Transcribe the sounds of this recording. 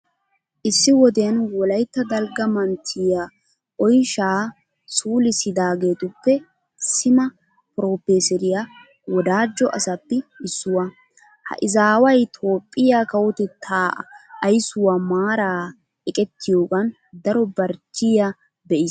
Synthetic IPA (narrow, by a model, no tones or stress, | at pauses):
ʔɪsːɪwɔd̪ɛjɐnwɔlɐjt̪ːɐd̪ɐlɡɐmɐnt̪ʰɪja | ʔɔjʃaː | suːlɪsɪd̪aːɡeːt̪ʊpːɛ | sɪmɐ | pɾo̞ːpeːsɛɾɪja | wɔd̪aːd͡ʒːɔʔɐsɐpːɪɪsːʊwɐ | hɐ̰ʔɪzaːwɐjt̪ʰo̞ːpʼːɪjaːkɐwɔt̪ɛt̪ʰːaːɐjsʊwaːmaːɾaː | ɛkʼɛt̪ʰːɪjo̞ːɡɐn | d̪ɐɾɔbɐɾt͡ʃːɪja | bɛʔɪːs